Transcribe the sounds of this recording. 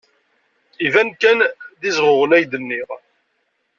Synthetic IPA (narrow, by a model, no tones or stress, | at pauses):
ivænkænðizʁʊʁənæjd̪ənːiʁ